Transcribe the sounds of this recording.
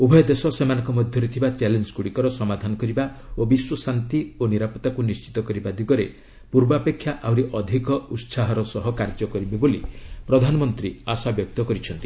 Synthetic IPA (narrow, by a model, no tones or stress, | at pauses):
ubʱɔjɔd̪esɔsemanɔ̃ŋkɔmɔd̪ʱjɔɾet̪ʰibat͡ʃɛlenskuɽikɔɾɔsɔmad̪ʱanɔkɔɾibaobiswɔsant̪ioniɾapɔt̪akunist͡ʃi̥t̪ɔkɔɾibad̪ʱiɡɔɾe | puɾbapekʰːjaʔawɾiʔɔd̪ʱikɔut̪saɦɔɾɔsɔɦɔkaɾd͡ʒɔkɔɾibebolipɾɔd̪ʱanɔmɔnt̪ɾiasabjɔk̚t̪ɔkɔɾit͡ʃʰɔnt̪i